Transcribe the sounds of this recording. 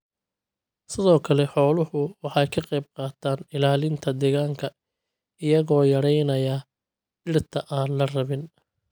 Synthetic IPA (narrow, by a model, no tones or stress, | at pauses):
sɪðɔːkʰɐlɛħɔːlʊhʊwɑħɑjkʰɐqɑjb̚qɑːt̪ʰaːnɪlaːlɪnt̪ʰɐd̪ɛːɣaːŋkʰɐ | ɪjɐɣɔːjɐɾɛjnɐjɐ | ɪrt̪ʰɐʔaːnlɐrɐβɪn